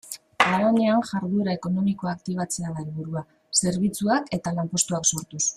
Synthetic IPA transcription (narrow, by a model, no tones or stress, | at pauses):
aaβanianʝaɾðueɾae̞ko̞no̞miko̞akt̪iβ̞at͡se̞aðaelβuɾua | se̞ɾβ̞it͡suake̞t̪alampo̞st̪uakso̞ɾt̪us